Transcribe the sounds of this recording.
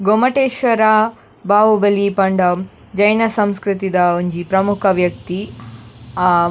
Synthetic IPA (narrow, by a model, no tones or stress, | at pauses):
ɡomɐʈeːʃʋɐɾa | bʱaːʋubɐlipɐɳɖɐ | d͡ʒɐjnɐsɐmskɾit̪id̪ɐoɲd͡ʒipɾɐmukʰɐʋjɐk̚t̪i